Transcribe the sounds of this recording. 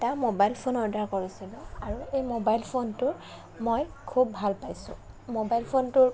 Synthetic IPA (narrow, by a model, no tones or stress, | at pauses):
tamobajlpʰonɔɹdaɹkɔɹisilɔaɹuejmobajlpʰontʊɹ | mojkʰubːʱalpajsʊ̰̃ | mobajlpʰontʊɹ